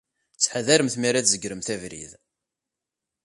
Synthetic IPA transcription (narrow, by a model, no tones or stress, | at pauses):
t͡sːħaðæɾəmθmiɾæθzəɡɾəmθævɾḭð